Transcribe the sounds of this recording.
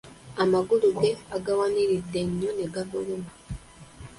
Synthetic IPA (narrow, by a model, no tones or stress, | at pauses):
amaɡuluɡe̞aɡawaniɾidːe̞ɲːoneɡavuɾuma